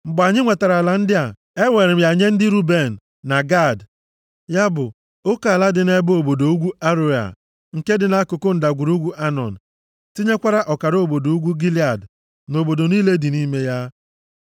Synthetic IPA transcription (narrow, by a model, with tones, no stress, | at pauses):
m̩˨bʊ˨a˨ɲɪ˦ŋʷe˨ta˨ɾa˨la˨n̩˦dɪ˦a˨ | e˦ŋʷe˨ɾɪ˨˦ja˨ɲe˦n̩˦dɪ˦ɾu˦be˨n̩ː˨a˨ɡa˦˨d | ja˦bʊ˨ | o˦ka˨a˨la˦dɪ˨ne˦bo˨bo˨do˨u˦ɡʷu˦a˦ɾo˦a̰˨ | ŋ̩˨ke˦dɪ˨na˦kʊ˨kʊ˦n̩˨da˨ɡʷu˨ɾu˦ɡʷu˦ʔa˦nɔ̰˨n̩˨ | ti˦ɲe˦kʷa˦ɾa˦ʔɔ˨ka˨ɾo˦˨bo˨do˨u˦ɡʷu˦ɡi˦li˨a˨d | no˨bo˨do˨niː˦le˦di˨niː˦me˦ja˦